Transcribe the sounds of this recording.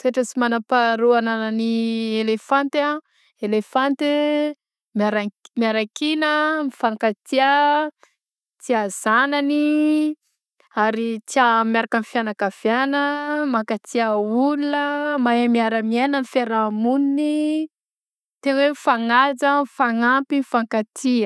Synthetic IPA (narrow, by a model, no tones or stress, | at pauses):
t̪ueʈ͡ʂəsimanapaɾuanananielefant̪a | elefant̪e | miaɾamiaɾakinəmifanakat͡s̪ia | t͡siaz̥anani | aɾit͡siamjaɾakənfjanakafjanəmakat͡siaulunəmaamiaɾəmienənifeɾamunini | t̪enwemfaŋad͡zəmfaŋampimifaŋkat͡siə